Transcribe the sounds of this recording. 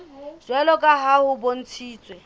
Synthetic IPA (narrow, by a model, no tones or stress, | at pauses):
z̥wɛlɔkʼaɦahʊbon̩t͡sʰiːt͡sʼwɛ